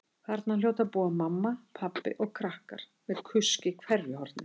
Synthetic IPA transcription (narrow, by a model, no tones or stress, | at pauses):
kʰaɾt̪naljoːwt̪aðpuːamamːapʰapːɪ̰ʔɔɣkʰɾahka̰ɾ̥ | mɛðkʰʏscɪkʰvɛɾvjʏhɔɾt̪nɪ